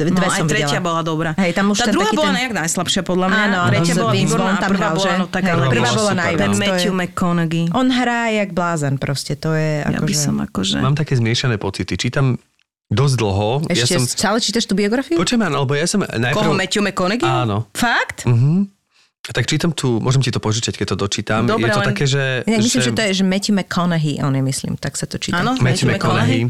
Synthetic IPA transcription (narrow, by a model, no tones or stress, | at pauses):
nʋɛasɔmviɾɛɛlɪabɔlad̪ɔbɾaːɦɛjt̪amuʃt̪aɛnd̪uaɦaibɔlaɲɛaɡnajslapʃɪapɔd̪lamaːnɔaɾɛɔɪabɔlɔɾɔnt̪aɾalɔlʒɛnɔt̪aɡɦalɛpr̩ʋaːbɔlanaj̪ɛnmɛɔjumɛkɔnɛɡiʔɔnɦɾaːjaɡblaːzɛnpɾɔscɛt̪ɔjɛʔa̰ja̰kɔisɔma̰kɔʒɛ̰maːmt̪akɛːzmɪɛʃanɛːpɔt͡sit̪it͡ʃiːt̪am | d̪ɔzd̪l̩ˠɦɔɛjacɛmt͡salɛt͡ʃiːt̪aʃt̪ubiɔɡɾafiupɔt͡ʃɛmanalɛbɔjasɔmnajpkɔɾmɛcumɛkɔnɛɡiaːnɔfakt̪m̩ɦm̩ | at̪akt͡ʃiːt̪amt̪ʰuːmʊɔʒɛmcit̪ɔpɔʒit͡ʃac̚kɛc̚t̪ɔd̪ɔt͡ʃiːt̪amd̪ɔjɾɛt̪tt̪akɛːʒɛinaɡmisimʒɛɔjɛʒɛmɛcimɛkʰɔnɛɦiʔɔnjɛmislḭːmt̪aksat̪ɔt͡ʃḭːanɔmɛmɛkɔnɛɦi